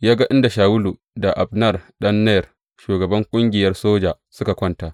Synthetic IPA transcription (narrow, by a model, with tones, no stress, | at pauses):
jaː˦ɡa˦ʔɪ˦nda˨ʃaː˨wʊ˦lu˨ | da˨ʔa˨bnɐ˦rɗɐ˦nːɛ˦˨r | ʃuː˨ɡɐ˨bɐ˦ŋkʷʼʊ˦ŋɡʲɪ˨jɐ˦rsoː˦d͡ʒaː˨ | sʊ˦ka˨kʷɐ˦ntaː˨ʔ